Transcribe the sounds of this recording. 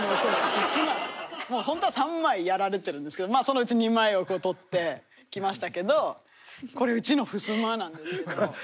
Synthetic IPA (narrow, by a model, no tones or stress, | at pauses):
osoɯsɨmamoːhõ̞nt̪oasãmːaijaɾaɾe̞t̪eɾɯ̟̃nd̪esɨ̥ke̞d̪omaːso̞noɯ̟t͡ɕiɲ̟imaio̞ko̞ːt̪o̞t̪ːe̞ | kʲimaɕi̥t̪ake̞d̪o̞ | ko̞ɾe̞ɯ̟t͡ɕino̞ɸɯ̟sɨmanãnd̪esɨo